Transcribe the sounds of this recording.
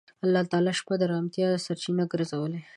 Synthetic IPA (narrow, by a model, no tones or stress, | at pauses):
alːɑt̪ɑlɑʃpad̪əɾɑmt̪jɑəsaɾt͡ʃinaɡəɾzawəle